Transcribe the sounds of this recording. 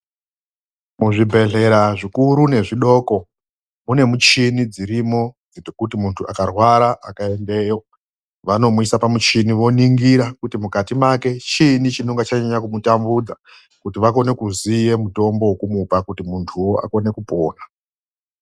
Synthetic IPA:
muʐibʱe̞ɮe̞ɾaʐikuɾune̞ʐiɗo̞ːko̞ | mune̞mut͡ʃinid͡ziɾimo̞d͡zkutimuntʰua̰karwaɾaʔakae̞nde̞ːjo | ʋano̞muisapamut͡ʃiniʋo̞niŋɡiɾakutimukatimake̞t͡ʃinit͡ʃinoŋɡat͡ʃaɲaɲakumutambud͡za | kutiʋako̞ne̞kuzije̞muto̞mbo̞wokumupakutimuntʰuwo̞a̰ko̞ne̞kupo̞ːna

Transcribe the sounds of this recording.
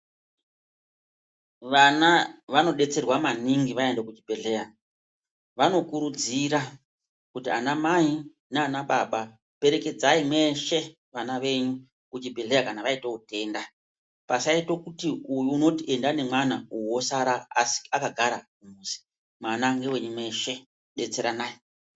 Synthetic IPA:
ʋanaʋano̞ɗe̞t͡se̞rwamaniŋɡiʋaendekud͡ʒibʱeɮe̞ja | ʋano̞kuɾud͡ziɾa | kutianamai | neanaɓaɓa | pe̞ɾe̞ke̞d͡zaimwe̞ʃe̞ | ʋanaʋe̞ɲu | kut͡ʃibʱeɮe̞jakanaʋaitoute̞nda | pasaito̞kutiujuːno̞tiʔe̞ndane̞mwanauwo̞saɾaːsi̥akaɡʱaɾakumuːsi̥ | mwanaŋɡe̞we̞ɲume̞ʃe̞ | ɗe̞t͡se̞ɾanaːji

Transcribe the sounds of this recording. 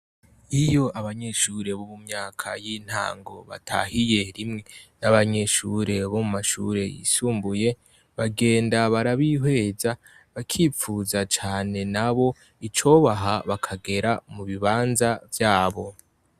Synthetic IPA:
ijo̞ʔaβaɲe̞ʃuɾe̞βoβumɲaːkʰa̰jiːn̥ha̰ːŋɡo̞βa̰tʰa̰hije̞ɾimŋe̞naβaɲe̞ʃuɾe̞βomumaʃuɾe̞jḭsuːmbuje̞ | βaɡe̞ːndaβaɾaβiɦwe̞ːza | βakʰiːp͡fuːzat͡ʃaːne̞naβo̞ | it͡ʃo̞βaɦaβakʰaɡe̞ɾamuβiβaːnzavjaːβo̞

